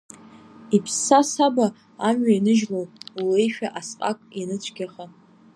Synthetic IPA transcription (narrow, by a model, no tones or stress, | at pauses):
ipʰsːasaba | amɥainɨʒlowulejʃᶣaʔasqʼa̰kʼinɨt͡ɕʷʰʼɡʲaχa